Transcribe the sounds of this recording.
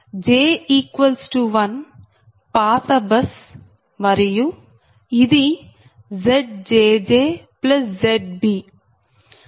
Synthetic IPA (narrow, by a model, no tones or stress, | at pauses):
d͡ʒeːiːkʋɐlsʈuʋɐn | paːt̪ɐbɐs | mɐɾiju | id̪i | zeɖ̚d͡ʒeːd͡ʒeːplɐszeɖ̚bi